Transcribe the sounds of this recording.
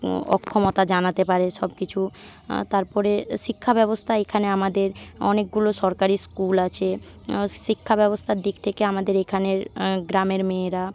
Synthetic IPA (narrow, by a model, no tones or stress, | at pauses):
ɔ̰kʰːomot̪ad͡ʑanat̪epaɾeʃɔbkit͡ɕʰu | t̪aɾpɔɾeʃikʰːabɛbost̪ʰaekʰaneamad̪eɾɔ̰nek̚ɡuloʃɔɾkaɾiskulat͡ɕʰe | ʃikʰːabɛbost̪ʰaɾd̪ikt̪ʰekeamad̪eɾekʰaneɾɡɾameɾmeːɾa